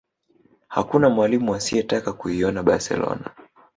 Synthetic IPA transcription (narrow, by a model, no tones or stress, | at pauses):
ha̰kunamwalimuasiɛtakakuiɔnaɓaɾsɛ̰lɔ̰na̰